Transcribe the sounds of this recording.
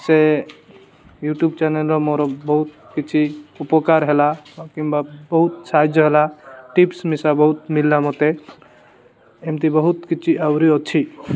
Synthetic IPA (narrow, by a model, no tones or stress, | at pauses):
se | juʈjubt͡ʃɛnelɾɔmoɾɔbəɦut̪̚ | kit͡ʃʰiupɔkaɾɦelaakimbabəɦut̪̚sad͡ʒɦelaʈipsmesabəɦut̪milːamɔt̪e | emt̪ibəɦut̪kit͡ʃʰiʔawɾiɔt͡ʃʰi